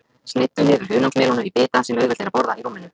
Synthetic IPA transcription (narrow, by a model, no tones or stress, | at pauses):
snɪht̪ːʏnɪːðʏɾ̥ɦʏːnawsmɛːlɔnʏipɪːt̪asɛmœɣvɛlt̪ɛɾapɔɾðaiɾuːmːɪnʏ